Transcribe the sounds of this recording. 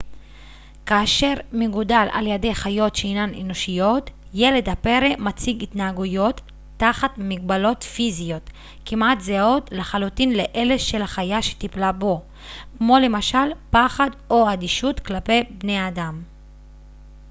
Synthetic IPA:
kaːʃe̞ʁmeɡudalʔa̰ljedejχajo̞tʃeinanʔeno̞ʃijo̞t̪ | je̞le̞dhape̞ʁemat͡siɡit̪naaɡujo̞tː | aχat̪miɡbalo̞t̪fizijo̞t̪ | kimʔat̪zeo̞tleχalut̪inleʔe̞le̞ʃe̞laχajaʃe̥t̪iplabo̞ | kmo̞le̞maʃalpaχado̞ad̪iʃut̪klape̞jbne̞adam

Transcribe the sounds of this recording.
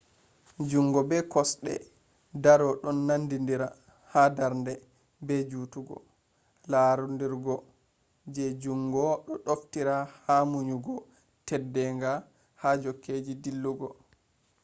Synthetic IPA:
d͡ʒuŋɡɔbɛkɔsɗɛ̰ | daɾɔɗɔnːandindiɾa | hadaɾndɛ | bɛd͡ʒuːtuɡɔ̰ | laɾundiɾɡɔ | d͡ʒɛd͡ʒuŋɡɔɗɔɗoftiɾahamuɲuɡɔ | tɛdːɛŋɡa | had͡ʒokːed͡ʒidilːuɡɔ

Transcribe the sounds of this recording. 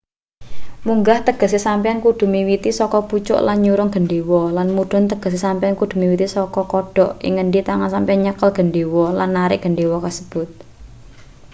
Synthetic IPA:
muŋɡaht̪əɡ̥ə̤s̬isampiankuɖ̥ṳmiwit̪isɔkɔput͡ʃʊ̰ʔlanɲuɾʊŋɡ̥əɳɖewɔlanmuɖ̥ɔ̤nt̪əɡ̥ə̤s̬esampijankud̪̥ṳmiwit̪isɔkɔkɔɖ̥ɔ̤ʔɪ̰ŋəɳɖit̪aŋansampianɲəkəlɡ̥əɳɖewɔlanːaɾɪ̰ʔɡ̥ə̤ɳɖewɔkasə̥b̥ʊt̪̚

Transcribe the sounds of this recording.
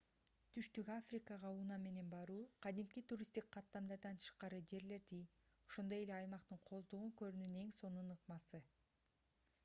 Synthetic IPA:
t̪ʰyʃt̪ykafrʲikɑʁɑunɑme̞ne̞nbɑɾuːqʰɑd̪imkit̪uɾʲist̪ik̚qʰːɑt̪ːɑmd̪ɑɾd̪ɑnt̪ʰɯ̥ʃqɑɾɯd͡ʒe̞ɾle̞ɾd̪i | o̞ʃo̞nd̪o̞je̞leɑjmɑqt̪ɯɴqʰo̞zd̪uʁuŋkø̞ɾynyne̞ŋso̞nunɯqmɑsɯ

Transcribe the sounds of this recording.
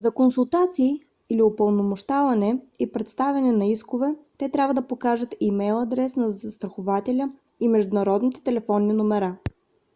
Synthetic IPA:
zɐkonsulˠt̪at̪siː | liopəlˠnomoʃt̪avɐnɛipɾɛt̪st̪avʲɐnɛnɐiskʊvɛt̪ɛt̪ɾʲabvəd̪ɐpokaʒət̪imɛjlˠɐd̪ɾɛsnɐzɐst̪ɾɐxovat̪ɛlʲə | imɛʒd̪ʊnɐɾɔd̪nit̪ɛ̥t̪ɛlɛfɔnːinomɛɾa

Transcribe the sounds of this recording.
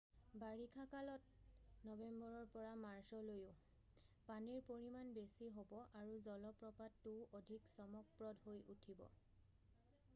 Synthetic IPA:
baɹikʰakalɔt̚nɔbembɔɹɔɹpɔɹamaɹsɔlojʊ | paniɹpoɹimanbesiɦobɔʔaɹuzɔlɔpɹɔpattːuʔodʱiksɔmɔk̚pɹɔdɦojʔutʰibɔ̰

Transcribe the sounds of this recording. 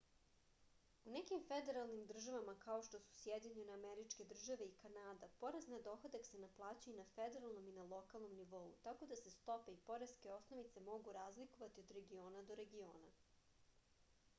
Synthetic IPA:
unekimfed̪e̞ɾalˠnimd̪r̩ʒaʋamakaoʃt̪osu̥sjed̪iɲeneameɾit͡ʃke̞d̪r̩ʒaʋe̞ikanaːd̪apo̞ɾeznad̪o̞xod̪aksenaplˠaːt͡ɕujunafed̪e̞ɾalˠno̞minalˠo̞kalˠno̞mniʋo̞ṵt̪ako̞d̪ase̞st̪o̞pe̞ipo̞ɾeske̞o̞sno̞ʋit̪se̞mo̞ɡuɾaːzlikoʋat̪iod̪ɾe̞ɡio̞ːnad̪o̞ɾe̞ɡio̞ːna

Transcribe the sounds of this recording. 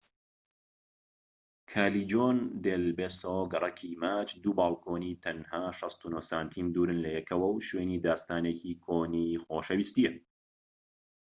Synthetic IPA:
kʰaːlid͡ʒoːnd̪eːlbeːsoɡɐrˤɐkʰimaːt͡ʃd̪uːbaːlˠkʰoːnit̪ʰɐnhaːʃɑst̪unosaːnt̪ʰiːmd̪uːɾɨnlɐjɛkʰɐwɐwʃweːniːd̪aːst̪aːnekʰiːkʰoːnixoːʃɐwiːst̪ijɛ

